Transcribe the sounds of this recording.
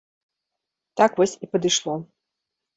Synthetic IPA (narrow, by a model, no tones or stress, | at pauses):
t̪akvɔsʲipɐd̪ɨʂlˠɔ